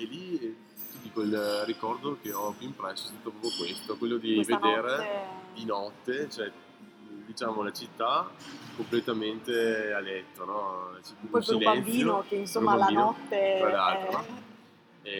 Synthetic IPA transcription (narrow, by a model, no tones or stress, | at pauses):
eli | t̪id̪ikoilrikɔrd̪okeɔpuimpɾɛsːo̥st̪at̪ːopɾɔpokwest̪okwelːod̪ived̪eːɾed̪inɔt̪ːet͡ʃoɛ | d̪it͡ʃaːmolat͡ʃit̪ːakomplet̪ament̪ealɛt̪ːonɔt͡ʃit̪esilɛbanb̪iːjnokeinsomːalːnɔt̪ːeɾalalt̪ɾo | ɛ